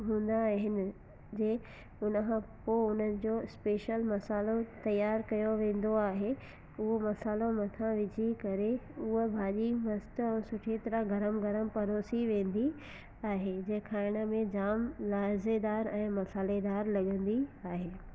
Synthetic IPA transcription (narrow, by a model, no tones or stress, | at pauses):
ɦũːn̆d̪aɦɪnɪ̆ | d͡ʑeː | ʊnəkʰãpoːʊn̤ənɪ̆d͡ʑoːɪspeːʃəlmɐsaːlot̪ɐjːaːɾkɐjoʋẽːn̆d̪oaːɦe | ʊɦomɐsaːlomɐt̪ʰãʋɪd͡ʑʱikɐɾeʊɦəbʱaːʄimɐst̪ɛ̃ːsʊʈʰet̪ɐɾaɡɐɾəmɡɐɾəmpɐɾoːsiʋẽːnd̪i | aːɦed͡ʑɐ̃ɦkʰaːɪɽ̃əmẽd͡ʑaːmlaːzed̪aːɾɛ̃ːmɐsaːled̪aːɾlɐɠə̃nd̪iaːɦeː